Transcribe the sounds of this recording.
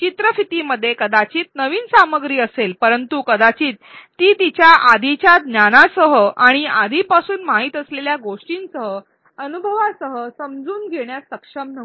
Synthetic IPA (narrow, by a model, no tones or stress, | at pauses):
t͡ɕit̪ɾəfit̪iməd̪ʱːjekəd̪at͡ɕiːt̪̚nəʋiːnsaməɡɾiːəselpəɾənt̪ukəd̪at͡ɕiːt̪ːiːt̪it͡ɕjaʔad̪ʱit͡ɕjad̪njanasəɦəʔaɽ̃iad̪ʱipasuːnmaɦiːt̪əsleljaɡoʂʈiːnsəɦə | ənubʱəʋasəɦəsəmd͡zuːnɡʱeɳ̃jasəkʂəmnəʋ